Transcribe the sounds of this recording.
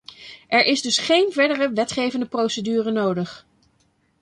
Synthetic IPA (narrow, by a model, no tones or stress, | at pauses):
ʔɛɹʔɪzdɵsχejnvɛɹdərəʋɛtχejvəndəprowsədyːrənowdəχ